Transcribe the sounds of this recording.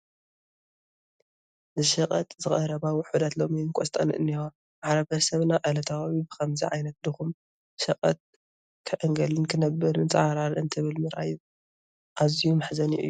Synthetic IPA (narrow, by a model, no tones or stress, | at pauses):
zɨʃɐqʼɐt̪ʼzɨχʼɐɾɐβawɔħud̪at̪lo̞miɨnkʼost̪ʼɐ̰nɨ̰ʔɨ̰nːixo | maʕɾɐβhɐsɐβnaʔalɐt̪ʰawawibɨkɐmziʕa̰jnɐt̪̚d̪ɨxum | ʃɐqʼɐt̪̚ | kʰɐʔɨŋɡɐlɨnkʰɨnɐbːɐɾmɨnt͡sʼɐaɾaɾɨnt̪ʰɨβɨlmɨɾʔa̰jβ | ʔazijumɨħzɐniʔɨ̰jːuu